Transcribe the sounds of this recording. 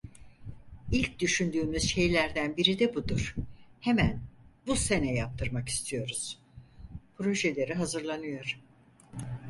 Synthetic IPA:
ilʲc̚d̪yʃynd̪yːmyz̥ʃe̞jlʲæɾd̪ænbiɾid̪ɛbud̪uɾ̥hemænbuse̞nɛjap̚t̪ʰɯɾmaki̥st̪ʰijo̞ɾuz̥ | pʰɾo̞ʒelʲe̞ɾiɦazɯɾlˠanɯjo̞ɾ̥

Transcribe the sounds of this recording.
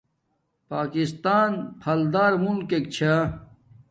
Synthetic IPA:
paːkist̪aːnpʰɐld̪aːɾmunkek̚t͡ɕʰa

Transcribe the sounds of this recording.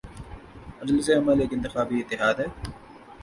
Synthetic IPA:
ɐd̪lseːɐmaːleːkɪnt̪ɪxaːbiːɪt̪ːɪɦaːd̪ɦɛː

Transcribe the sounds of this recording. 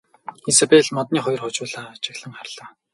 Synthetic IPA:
xisapeɮmɔt̪̚niːχɔj̆rχʊt͡ɕʊːɮaːt͡ɕɪ̆xɮə̆ŋχarɮaː

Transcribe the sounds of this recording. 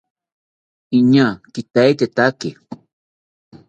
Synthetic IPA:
iɲakɪt̪ajt̪et̪akɪ

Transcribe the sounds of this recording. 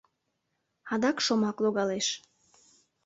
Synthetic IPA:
ɑd̪ɑkʃomɑkloɣɑleʃ

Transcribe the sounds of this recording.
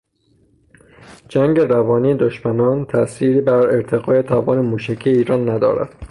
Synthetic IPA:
d͡ʒæŋɡe̞ɾævɒːniːed̪oʃmænɒːnt̪ʰæsiːɾiːbæɾeɾt̪ʰeɣɒːjet̪ʰævɒːnemuːʃæcʰijeiːɾɒːnːæd̪ɒ̰ːɾæ̰d̪̥

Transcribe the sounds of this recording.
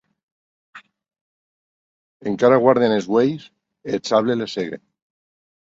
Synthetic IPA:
eŋkaɾaɣwaɾðenezɣwejs | et͡saβleleseɣḛ

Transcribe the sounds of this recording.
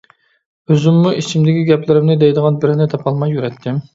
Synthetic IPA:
øzɪmːuʔit͡ʃʰimd̪ɪkʲiɡʲɛplɪɾɪmnɪd̪ɛjd̪əʁɑnbɪɾɪnɪt̪ʰɑpʰɑlˠmɑjːyɾɛt̪ʰːɪm

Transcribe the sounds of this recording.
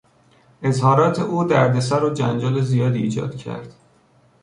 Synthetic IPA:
e̞zhɒːɾɒːt̪ʰe̞ʔuːd̪æɾd̪e̞sæɾɒːd͡ʒænd͡ʒɒːlezijɒːd̪iiːd͡ʒɒ̰ːd̪̥cʰæ̰ɾd̪̥

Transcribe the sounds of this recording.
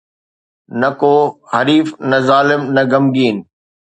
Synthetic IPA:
nɐkoːhɐɾiːfnɐzaːlɪmnɐɡɐmɡiːn

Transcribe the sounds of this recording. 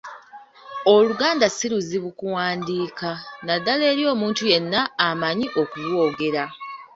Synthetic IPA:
o̞luɡaːndasiɾuziβukuwaːndiːkanadːale̞ːɾjo̞ːmuːntuje̞nːaːmaɲiʔo̞kulwoːɡe̞ɾa

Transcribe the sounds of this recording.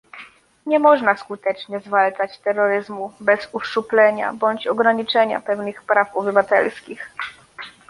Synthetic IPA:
ɲɛmɔʐnaskut̪ɛt͡ʂɲɛzvalt͡ʂat͡ɕt̪ɛɾːɔɾɘzmubɛzufʂuplɛɲa̰bɔɲt͡ɕɔɡɾaɲit͡ʂɛɲa̰pɛvnɘxpɾafɔbɘvat̪ɛ̰lskʲix

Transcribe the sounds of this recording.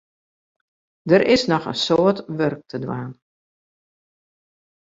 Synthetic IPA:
dəɾʔɪsnɔxə̰nsoətʋørk̚tʰədwaːn

